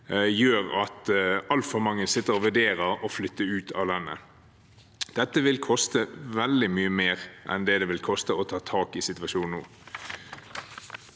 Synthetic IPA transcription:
jøːʁɑt̪ɑlt̪fɔmɑŋːənsɪt̪ːəʁɔʋæɖeːʁəʁɔflʏt̪ːəʉːt̪ʰɑ̰ːʋlɑnːə̰ | d̪̥ɛt̪ːəʋɪlkʰɔst̪əʋɛld̪ɪmyːəmeːʁʔɛ̰nd̪ɛd̪ɛʋɪlkʰɔst̪əɔt̪ʰɑːt̪ʰɑːkɪsɪt̪ʋɑʃuːnn̩ṵː

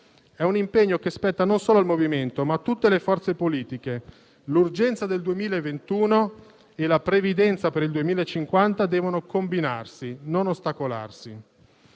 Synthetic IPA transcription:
ɛunimpeɲːokespɛt̪ːanonsoːloalmoviment̪omat̪ːut̪ːelefɔrt̪sepoliːt̪ike | lurd͡ʒɛnt̪sad̪eld̪uemiːlaevent̪uːno | elapɾevid̪ɛnt̪sapeɾild̪uemiːlaet͡ʃːiŋkwant̪ad̪ɛːvonokombinarsinonost̪akola̰rsi

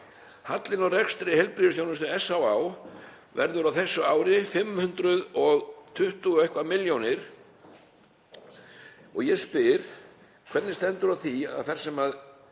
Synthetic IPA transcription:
hat̪lɪnɔwrɛkst̪ɾɪhɛjlpɾiðʏsjownʏst̪ʏɛsːawaw | vɛ̰ɾðʏɾawθɛsːʏaːwɾɪfɪmhʏnt̪ɾʏðɔɣt̪ʰʏht̪ʏɔehkvamɪljownɪɾ̥ | ɔɣjɛspɪɾ̥ | kʰvɛt̪nɪst̪ɛnt̪ʏɾaθia̰ðθɛr̥sɛmað

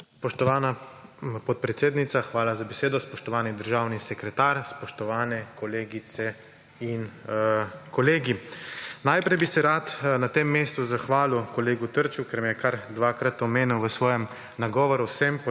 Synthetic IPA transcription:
spɔʃt̪ɔʋaːnapɔt̪̚pɾɛt̪seːd̪nit̪saxʋaːlazabɛseːd̪ɔspɔʃt̪ɔʋaːnid̪əɾʒaːwnisɛkɾɛt̪aːɾspɔʃt̪ɔʋaːnɛkɔleːɡit̪sɛ | in | kɔleːɡinajpɾɛjbisɛɾaːt̪nat̪emːeːst̪uzaxʋaːlukɔleːɡut̪əɾt͡ʃukɛɾmjɛkaɾd̪ʋaːkɾat̪ɔmeːnuwʋəsʋɔːjɛm | naɡɔːʋɔɾusɛmp

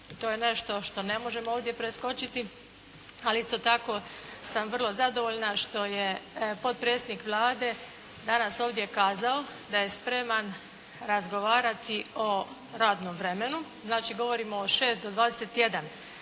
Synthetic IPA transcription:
t̪oːjene̞ʃt̪o̞ʃt̪o̞ne̞mo̞ʒe̞mooːʋd̪je̞pɾe̞sko̞t͡ʃit̪i | aliist̪o̞t̪ako̞samʋr̩lˠo̞zad̪o̞ʋoʎnaʃt̪o̞je̞po̞t̪̚pɾe̞t̪sed̪nikʋlˠaːd̪e̞ | d̪anaso̞ːʋd̪je̞kaːzaod̪aje̞spɾe̞man | ɾazɡo̞ʋaːɾat̪io̞ | ɾaːd̪nomʋɾe̞me̞nu | znaːt͡ʃiɡo̞ʋo̞ɾimoːʃe̞ːst̪̚d̪o̞d̪ʋaːd̪ese̞t̪je̞d̪an

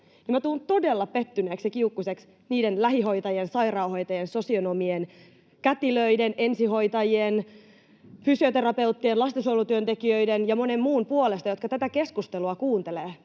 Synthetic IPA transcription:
nimæt̪uːnt̪o̞delːɑpe̞t̪ːyneːksjɑkiukːuseks | niːdenlæɦiɦo̞it̪ɑjensɑirɑuho̞jt̪ɑjenso̞sionomien | kæt̪iløidene̞nsiɦo̞it̪ɑjien | fysiot̪e̞rɑpe̞wt̪ːienlɑst̪osowlut̪yønt̪ekiø̞idenjɑmo̞ne̞mːuːnpuolest̪ɑjo̞t̪kɑt̪æt̪æke̞skust̪eluɑkuːnt̪e̞leː

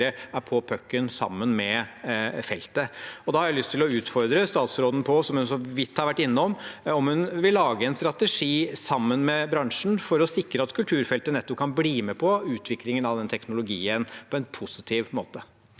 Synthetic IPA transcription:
ɾəæɾpʰɔpʰœkːənsɑ̰mːənmɛ | fɛlt̪əɔd̪ɑhɑɾjæɪlʏst̪ʰːɪlɔʉːt̪fɔɾd̪ɾəst̪ɑːt̪sɾoːd̪n̩pʰɔsɔmhʉnsɔʋɪt̪ːhɑɾʋæʈːɪnːəɔmɔmhʉnʋɪlːɑːɡəɛnst̪ɾɑt̪ɛʂiːsɑmːənmɛbɾɑŋʂn̩fɔɾɔsɪkɾəɑt̪kʰʉlt̪ʰʉːɾfɛlt̪ənɛt̪ːɔp̚kʰɑnbliːmɛpʰɔʉːt̪ʰʋɪklɪŋənɑʋd̪ɛnt̪ʰɛknʊlʊɡiːənpʰɔɛnpʰʊsɪt̪ʰiːʋmo̰ːt̪ə

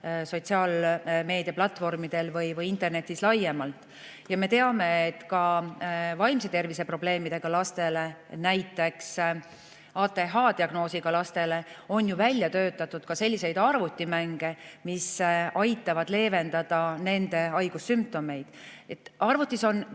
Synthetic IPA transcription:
so̞t̪ʲsiɑːlme̞ːd̪̥iɑplɑt̪ːˑfo̞rmid̪̥e̞lvɯjvɯjint̪ˑe̞rne̞t̪ːˑislɑje̞mɑlt̪ˑ | jɑme̞t̪e̞ɑme̞et̪ːkɑ | vɑjmset̪e̞rvise̞pro̞ble̞ːmid̪̥e̞ɡ̥ɑlɑst̪e̞le̞næjt̪ːˑe̞ks | ɑːt̪e̞ɦɑd̪iɑɡ̥no̞ːsiɡ̥ɑlɑst̪e̞le̞o̞njuvælʲːjɑt̪ø̞ːt̪ːˑɑt̪ːˑud̪̥kɑselʲːise̞jd̪ɑrvut̪ʲːˑimæŋɡ̥e̞misɑjt̪ːˑɑvɑd̪̥le̞ːve̞nd̪̥ɑd̪̥ɑne̞nd̪e̞ɑjɡ̥usːymp̚t̪o̞me̞jd̪̥et̪ːˑɑrvut̪ːˑiso̞n

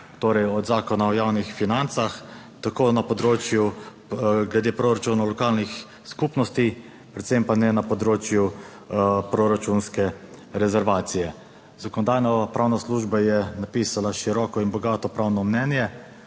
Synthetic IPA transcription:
t̪oːɾɛjɔd̪zaːkɔnaɔjaːwnixfinant̪sax | t̪akoːnapɔd̪ɾoːt͡ʃju | ɡlɛd̪eːpɾoɾat͡ʃuːnalɔkaːlnix | skupnɔst̪i | pɾɛt̪sempanɛnapɔd̪ɾoːt͡ʃju | pɾoɾat͡ʃunskɛ | ɾɛzɛɾʋaːt̪sijɛ | z̥akɔnɔd̪aːjnɔpɾawnasluʒbajɛnapiːsalaʃiɾɔːkɔinbɔɡaːt̪ɔpɾawnɔmnɛnjɛ

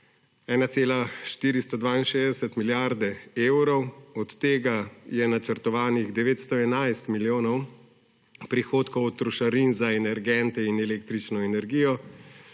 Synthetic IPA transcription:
ɛːnat̪seːlaʃt̪iːɾist̪ɔd̪ʋaːinʃeːzd̪ɛsɛt̪miljaɾd̪ɛeːwɾɔwɔt̪ːeːɡajɛnat͡ʃəɾt̪ɔʋaːniɣd̪ɛʋeːt̪st̪ɔɛnajst̪miljoːnɔw | pɾixoːt̪kɔwɔt̪ːɾuʃaɾinzaɛnɛɾɡɛnt̪ɛinɛleːk̚t̪ɾit͡ʃnɔɛnɛɾɡiːjɔ

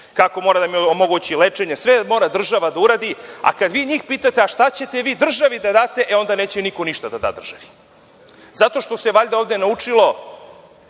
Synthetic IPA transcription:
kako̞moɾad̪amiomo̞ɡut͡ɕilet͡ʂe̞ɲesʋemo̞ːɾad̪r̩ʒaʋad̪auɾaːd̪ia̰kad̪ʋiːɲiːxpiːt̪at̪eaʃt̪at͡ɕe̞t̪e̞ʋiːd̪r̩ʒaʋid̪ad̪aːt̪e̞ʔeo̞nd̪ane̞ːt͡ɕeniko̞niʃt̪ad̪ad̪a̰ːd̪r̩ʒ̥aʋi̥ | zat̪o̞ʃt̪o̞seʋaʎd̪aovd̪enaut͡ʂilo̞

